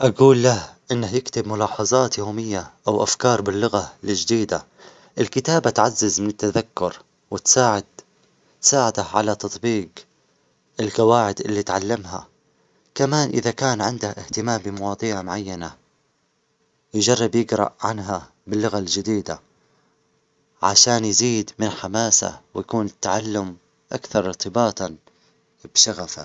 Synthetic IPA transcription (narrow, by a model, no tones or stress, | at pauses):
ʔaɡuːlːahʔɪnːahjɪkt̪ɪbmʊlɑːħɑzˤɑːt̪joːmɪjːaʔawʔafkɑːɾˤbɪlːʊɣalɪd͡ʒd̪iːd̪a | ʔɪlkɪt̪aːbat̪ʕazːɪzmɪnɪt̪ːaðakːʊɾ | wɪt̪saːʕɪd̪ | t̪saːʕɪd̪ahʕa̰lat̪ɑt̪ˤbiːq | ʔɪlkawaːʕɪd̪ʔɪlːit̪ʕalːamɦa̰ | kamaːnʔɪðakaːnʕɪnd̪ahʔɪht̪ɪmaːmbɪmɑwɑːd̪ˤiːʕmʊʕajːana | jd͡ʒɑrˤːɪbjɪɡɾɑ̰ʔʕanɦa | bɪlːʊɣald͡ʒɪd̪iːd̪a̰ | ʕaʃaːnjziːd̪mɪnħamaːsa̰wɪjakuːnɪt̪ːaʕalːʊm | ʔa̰kθɑɾˤɪɾt̪ɪbaːt̪ˤɑ | bʃaɣafa̰